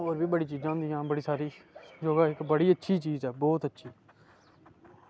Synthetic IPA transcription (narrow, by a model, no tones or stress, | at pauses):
ɦoːɾbʱiːbəɽiːt͡ʃiːd͡ʒãːnd̪iːãːbəɽiːsaːɾiːd͡ʒoːɡaːɪkbəɽiːətːʃʰiːt͡ʃiːzɛːbɔːt̪ətːʃʰiː